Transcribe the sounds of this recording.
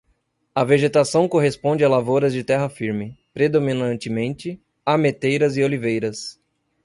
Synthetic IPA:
ɐveʒet̪asɐ̃w̃koɦespõnd͡ʒɪalavoɾɐzd͡ʒɪt̪ɛɦɐfiɾmɪpɾed̪omĩnɐ̃nt͡ʃɪmẽnt͡ʃɪ | amet̪ejɾɐzɪolivejɾɐs

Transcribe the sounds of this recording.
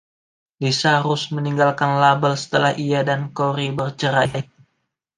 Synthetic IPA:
disaɾʊsməniŋɡalkanlabəlsə̥t̪əlahʔijadankoɾibərt͡ʃəɾa

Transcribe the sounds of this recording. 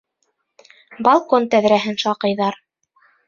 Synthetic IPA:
bɑlˠkont̪æðɾæɦɘnʃɑqɤ̆jðɑɾ

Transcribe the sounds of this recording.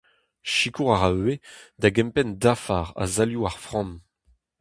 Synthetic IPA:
ʃikuʁaʁaøed̪aɡɛ̃mpɛndafaːʁa̰zaljuaʁfʁɑ̃m

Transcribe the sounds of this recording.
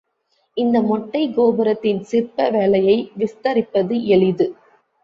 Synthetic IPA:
ɪnd̪ɐmɔʈːɐɪɡoːbɐɾɐt̪ːɪnsɪrpɐʋeːɭɐjɐɪʋɪst̪ɐɾɪpːɐðɯɛɭɪðɯ

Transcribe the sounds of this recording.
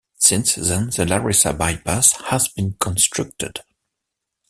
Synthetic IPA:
sɪ̃nsðɛ̃nðəlaɹɪsabajpashəzbĩnkʰɔ̃nstʰɹ̥ʌk̚tɨ̰d̥

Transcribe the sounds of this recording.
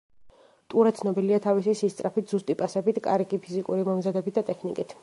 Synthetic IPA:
t̪ʼuɾɛt̪sʰnɔbiliat̪ʰavisisist̪sʼɾapit̪ʰz̥ust̪ʼipʼasɛbit̪kʼa̰ɾɡipʰizikʼuɾimɔmzad̪ɛbit̪̚d̪at̪ʼɛkʰnikʼit̪ʰ

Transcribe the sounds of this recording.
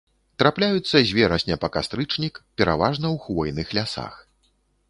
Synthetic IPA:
t̪ɾaplʲajut̪sːɐzʲvʲɛɾɐsʲnʲɛpɐkast̪ɾɨt͡ʂnʲikpʲɛɾavaʐnɐwxvɔjnɨxlʲasa̰x

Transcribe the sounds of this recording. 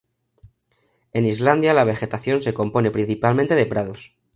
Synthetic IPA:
e̞nizland̪jalaβ̞e̞xe̞t̪aθjo̞nse̞ko̞mpo̞ne̞pɾin̟θipalmẽnt̪e̞ðe̞pɾað̞os

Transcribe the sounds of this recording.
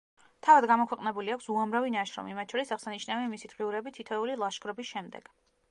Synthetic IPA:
t̪ʰavad̪ɡamɔkʰwɛqʼnɛbuliakʷʰsuamɾavinaʃɾɔ̰mḭmat̪̚t͡ʃʰɔɾisaʁsaniʃnaviamisid̪ʁiuɾɛbit̪ʰit̪ʰɛulilˠaʃkʰʼɾɔbisʃɛmd̪ɛ̰ɡ̥

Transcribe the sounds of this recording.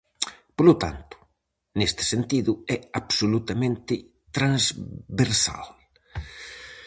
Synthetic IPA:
polot̪a̰nt̪ʊ̥ | nest̪ɪ̥sent̪iðʊɛabsolut̪amẽnt̪ɪ | t̪ɾãnzβeɾsa̰l

